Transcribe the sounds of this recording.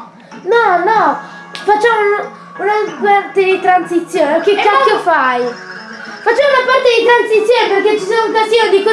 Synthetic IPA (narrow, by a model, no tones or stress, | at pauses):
nɔnɔ | fat͡ʃːaːmon | unapart̪ed̪it̪ɾansit̪sːjoːneokekːakjofaj | fat͡ʃːaːmounapart̪ed̪it̪ɾansit̪sːjoːneperket͡ʃːisomuŋkast̪ionid̪iko